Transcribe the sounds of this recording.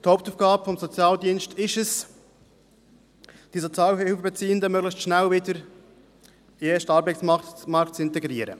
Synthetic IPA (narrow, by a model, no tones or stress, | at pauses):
t̪hoʊp̚tuːfɡ̥ɑːbəfɔmzɔt͡sjɑːldiənstʰɪʃəs | d̥isot͡sjɑːlɪlfəbɛt͡siːəndəmøɡlɪçtʃnælvɪdəɾ | eʃtɑːɾbæɪtsmɑmɑɾktt͡sɪntɛɡɾiːəɾə̰